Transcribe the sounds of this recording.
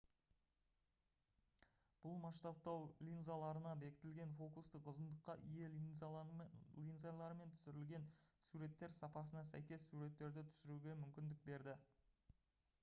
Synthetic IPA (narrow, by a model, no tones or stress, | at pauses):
b̥ʊlˠmɑst̪ɑp̚t̪ɑwlʲinzalˠɑɾənɑbe̞kʲɪ̥t̪ɪlɡʲe̞nfo̞kust̪əqʊzənd̪əqːɑʔije̞ | lʲinzalˠɑɾəme̞nt̪ʰʏ̥sɪɾɪlɡʲe̞nsuɾe̞t̪ːe̞ɾsɑpɑs̬ənɑsæ̰jkʲe̞sːuɾe̞t̪ːe̞ɾd̪ɪt̪ʰʏ̥sɪɾuɡʲe̞mʏmkʲɪnd̪ɪk̚be̞ɾd̪ɪ